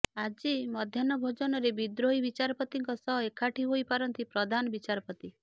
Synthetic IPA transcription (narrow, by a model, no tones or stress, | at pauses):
ad͡ʒimɔd̪ʱjanɔbʱod͡ʒɔnɔɾebid̪ɾoɦibit͡ʃaɾɔpɔt̪iŋkɔsɔɦekʰaʈʰiɦoipaɾɔnt̪ipɾɔd̪ʱanɔbit͡ʃaɾɔpɔt̪i